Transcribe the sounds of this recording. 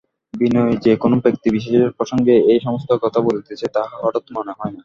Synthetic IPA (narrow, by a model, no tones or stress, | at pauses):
binoed͡ʑekonobɾek̚t̪ibiʃeʃeɾpɾoʃoŋɡeejʃɔmost̪okɔt̪ʰabolt̪et͡ɕʰet̪aɔʈot̪mɔneɦɔena